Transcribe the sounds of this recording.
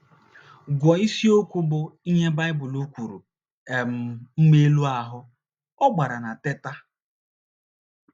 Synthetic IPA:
ɡʷɔ˨i˦si˦o˦kʷu˦bʊ˨i˦ɲe˦ba˦ɪ˦bʊ˨lu˦kʷu˨ɾṵ˨ | e˨m̩˨m̩˦me˦lu˦a˨ɦʊ˦ | ɔ˦ɡ͡ba˨ɾa˨na˨te˦ta˦

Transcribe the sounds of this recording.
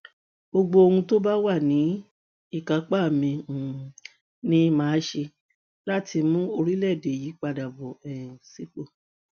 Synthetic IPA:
bo˧ɡ͡bo˧o˧hũ˧to˦ba˦wa˦˨nĩ˨˦ | i˦˨ka˨˦k͡pa˦˨mĩ˧ũ˨ | nĩ˦mãː˨˦ʃe˧ | la˦ti˧mũ˦o˧ɾi˦lɛ˦˨de˨ji˨˦k͡pa˧da˨bɔ˨ɛ˨si˨˦k͡po˦˨

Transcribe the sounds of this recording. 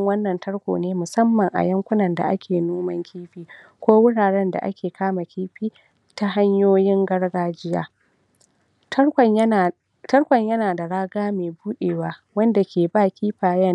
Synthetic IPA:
ŋwɐ˦nːɐ˨ntɐ˦ɽkʷo̰ː˨neː˦mʊ˨sɐ˦mːɐ˨ŋʔa̰˨jɐ˦ŋkʷʊ˦nɐ˨nda̰˨ʔa̰˦kʲʰeː˨noː˦mɐ˦ŋkʲʰiː˦ɸiː˦ | kʷoː˦wʊ˦ɽaː˨ɽɛ˦nda̰˨ʔa̰˦kʲeː˨kʰaː˦ma˨kʲiː˦ɸiː˦ | ta˦ɦa˦ɲjoː˦jɪ˦ŋɡɐ˦ɽɡaː˦d͡ʒɪ˦ja̰ː˦˨ | tɐ˦ɽkʷɐ˨ɲjɐ˦naː˨da˨ɽaː˦ɡaː˦meː˨buː˦ɗeː˨waː˦wɐ˦nda˨kʲʰeː˨baː˦kʲiː˦ɸaː˨jɐ˦˨

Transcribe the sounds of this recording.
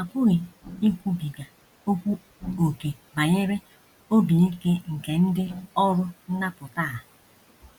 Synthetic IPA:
a˨kʷʊ˦ɣe˨i˦kʷu˦bi˨ɡa˨ | o˦kʷu˦ | o˨ke˨ba˨ɲe˦ɾe˦ | o˦bi˨i˦ke˦ŋ̩˨ke˨n̩˦dɪ˦ɔ˦ɾʊ˦n̩˦na˦pʊ˨taː˦˨

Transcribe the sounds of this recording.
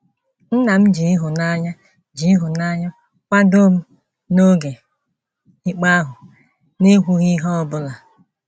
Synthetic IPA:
n̩˦na˨m̩˦d͡ʒi˨i˦ɦʊ˨na˦ɲa˦ | d͡ʒi˨˦i˦ɦʊ˨na˦ɲa˦ | kʷa˦do˦m̩˦ | no˦ɡe˨ | ɪ˦k͡pa˦ɦʊ˨ | ne˦ɦʷu˦ɣi˦ɦɔ˦ɔ˨bʊ˦la˨

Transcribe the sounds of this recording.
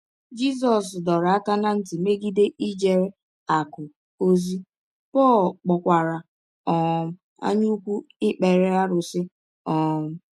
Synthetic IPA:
d͡ʒi˦s̬ɔ˨s̬dɔ˨ɾa˦ka˦na˦n̩˦tɪ˨me˦ɡi˦de˦ʔi˦d͡ʒe˨ɾe˦ | a˨kʊ˨ | o˦zi˦ | pɔ˦˨lk͡pɔ˨kʷa˨ɾa˨ | ɔ˨m̩˦ | a̰˦ɲu˦u˦kʷu˦ɪ˦k͡pe˨ɾe˦a˦ɾʊ˨sɪ˦ | ɔ˨m̩˦

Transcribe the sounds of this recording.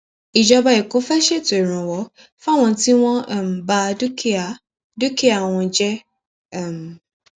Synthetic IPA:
i˨d͡ʒɔ˧ba˧i˨ko˨˦fɛ˦ʃe˦˨to˨i˨ɾ̃ũ˨wɔ˨˦ | fa˦˨w̃ɔ̃˧ti˦w̃ɔ̃˦˨m̩˨ba˦˧du˦ki˦a˨ | du˦ki˦a˦˨w̃ɔ̃˧d͡ʒɛ˦ | a˦˨m˨

